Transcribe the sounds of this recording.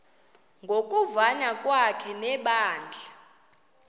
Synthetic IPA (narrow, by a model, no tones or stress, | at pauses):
ŋɡʱokʼuvaɲakʼwakʰɛnɛɓaːnd͡ɮʱa